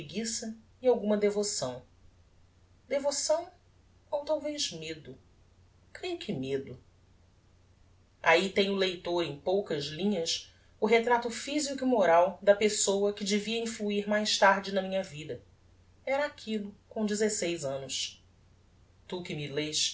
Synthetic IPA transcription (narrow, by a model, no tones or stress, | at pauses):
pɾiɡisɐ | ɪawɡũmɐd̪evosɐ̃w̃ | d̪evosɐ̃w̃ | owt̪awveʒmed̪ʊ | kɾejʊkʰɪmed̪ʊ | a̰it̪ẽj̃ʊlejt̪oɾẽj̃powkɐzlĩɲɐs | ʊɦet̪ɾat̪ʊfizikʊimoɾawd̪ɐpesowɐkɪd͡ʒɪviɐĩfluiɾmajst̪aɾd͡ʒɪnɐmĩɲɐvid̪ɐ | ɛɾɐakʰilʊkõd͡ʒɪzesejzɐ̃nʊs | t̪ukɪmileʃ